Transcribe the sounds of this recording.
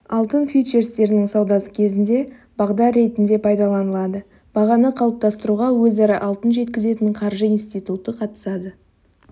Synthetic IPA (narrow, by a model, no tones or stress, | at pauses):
ɑlˠt̪ənfijʃe̞ɾst̪e̞ɾɪnɪŋsɑwd̪ɑsə̥kʲʰe̞zɪnd̪e̞ | b̥ɑʁd̪ɑɾːe̞t̪ɪnd̪e̞pʰɑjd̪ɑlˠɑnəlˠɑd̪ə | b̥ɑʁɑnəqʰɑlˠəp̚t̪ɑst̪əɾuʁɑwɵzɑɾɑʔɑlˠt̪ənʒe̞t̪kʲɪze̞t̪ɪɴqʰɑɾʒəinst̪ijt̪ut̪əqʰɑt̪ə̥sɑd̪ə